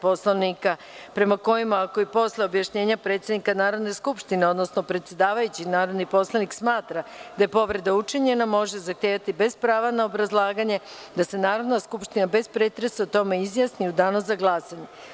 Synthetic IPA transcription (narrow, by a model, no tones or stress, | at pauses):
poslonika | pɾe̞mako̞jimaako̞ipo̞sleobjaʃɲe̞ːɲapɾet̪sjed̪nikanaːɾo̞d̪ne̞skupʃt̪ine̞o̞d̪no̞sno̞pɾet̪sje̞d̪aːʋajut͡ɕinaːɾo̞d̪nipo̞slˠaniksmaːt̪ɾad̪aje̞po̞ʋɾe̞d̪aut͡ʂiɲe̞namo̞ʒezaxt̪jeːʋat̪ibe̞zpɾaːʋanaobɾazlˠaːɡaɲe̞ | d̪ase̞naːɾo̞d̪naskupʃt̪inabe̞spɾeːt̪ɾe̞saut̪o̞me̞izjasniud̪aːnozaɡlˠaːsaɲe̞